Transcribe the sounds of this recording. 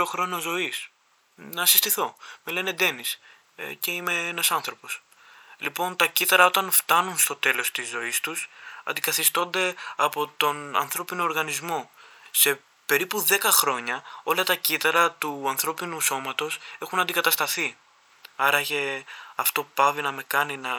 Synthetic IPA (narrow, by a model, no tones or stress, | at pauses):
oxɾo̞nozo̞is | nɐsist̪iθo̞mele̞ne̞d̪e̞nis | ce̞imeenɐsɐnθɾo̞po̞s | lipo̞nt̪ɐcit̪ɐɾɐo̞t̪ɐnft̪ɐnunst̪o̞t̪e̞lo̞st̪izːo̞ist̪usɐ̰nd̪ikɐθist̪o̞nd̪e̞ɐpo̞t̪o̞nɐ̰nθɾo̞pinoːɾɣɐnizmo̞se̞ | pe̞ɾipuðe̞kɐxɾo̞ɲɐo̞lɐt̪ɐcit̪ɐɾɐt̪uɐnθɾo̞pinuso̞mɐt̪o̞se̞xunɐnd̪ikɐt̪ɐst̪ɐθi | ɐɾɐçeɐft̪o̞pɐvinɐme̞kɐninɐ